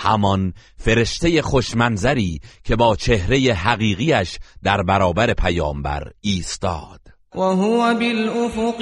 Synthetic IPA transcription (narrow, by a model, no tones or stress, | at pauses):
hæ̰mɒnfe̞ɾe̞ʃt̪e̞je̞χoʃmænzæɾiːcʰe̞bɒːt͡ʃʰe̞hɾe̞jeɦæɣiːɣiːæʃd̪̥æɾbæɾɒːbæɾe̞pʰæjɒːmbæ̰ɾiːst̪ɒ̰ːd̪̥ | waɦʊwæbelʔofʊq